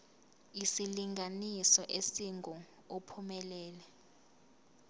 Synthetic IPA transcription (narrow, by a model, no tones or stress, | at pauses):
isiliŋɡanisɔʔesiŋɡʱɔ | opʰumɛlɛːlɛ